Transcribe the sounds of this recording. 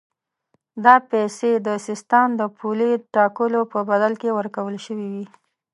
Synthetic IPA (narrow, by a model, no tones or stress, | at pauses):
d̪ɑpɛsed̪əsɪst̪əmd̪əpʰuliʈɑkəlopəbad̪alkewəɾkawəlʃəwiwi